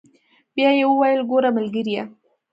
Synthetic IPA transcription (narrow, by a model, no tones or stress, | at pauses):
bjɑjewəwajəlɡoɾaməlɡəɾija